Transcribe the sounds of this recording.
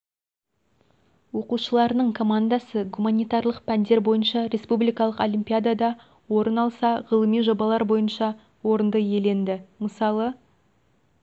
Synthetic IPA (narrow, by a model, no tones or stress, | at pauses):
wo̞quʃəlˠɑɾənəɴkʰo̞mand̪asəɡumanʲijt̪ɑrlˠəqpʰænd̪e̞ɾbo̞jənʃɑɾʲe̞spublijkɑlˠəqolʲimpʲijad̪ad̪ɑ | wo̞ɾənɑlˠsɑʁəlˠəmijʒo̞bɑlˠɑɾbo̞jənʃɑ | wo̞ɾənd̪əje̞le̞nd̪ɪməsɑlˠə